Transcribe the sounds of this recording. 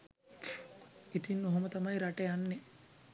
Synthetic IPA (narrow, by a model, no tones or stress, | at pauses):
it̪inːoɦomət̪amajɾaʈejanːe